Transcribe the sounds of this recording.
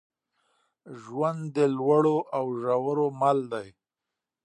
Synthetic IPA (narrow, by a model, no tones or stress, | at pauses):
ʒwand̪d̪əlwaɽoʔawʒawəɾomald̪aj